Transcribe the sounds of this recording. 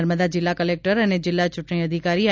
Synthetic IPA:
ɾməd̪ad͡ʒɪlːakəlek̚ʈəɾəned͡ʒɪlːat͡ʃʊʈɳ̃iəd̪ʱikaɾiə

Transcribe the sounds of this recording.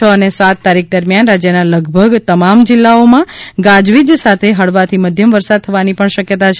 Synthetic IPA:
əənesat̪ːaɾik̚d̪əɾmjanɾad͡ʒjənaləɡbʱəɡt̪əmamd͡ʒɪlːaomãɡãd͡ʒʋid̪sat̪ʰeɦəɭʋat̪ʰiməd̪ʱjəmʋəɾsad̪̚t̪ʰəʋanipəɳʃəkjət̪at͡ʃʰ

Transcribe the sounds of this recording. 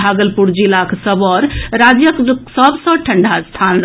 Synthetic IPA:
aɡəlpuɾd͡ʒilakʰsəbɔɾɾad͡ʒjəksəbsə̃ʈʰəɳɖʱast̪ʰanɾ

